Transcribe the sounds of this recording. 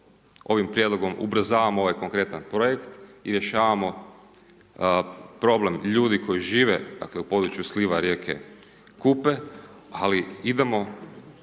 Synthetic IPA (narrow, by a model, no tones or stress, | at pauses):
o̞ʋimpɾje̞d̪lˠoɡo̞mṵbɾ̩zaːʋamooʋajkoŋkɾe̞t̪anpɾojekt̪iɾje̞ʃaːʋamo̞ | pɾo̞ble̞mʎuːd̪iko̞jiʒiːʋed̪̥a̰kleupo̞d̪ɾut͡ʃjusliʋaɾje̞ːkʰḛ | kupealiid̪e̞mo̞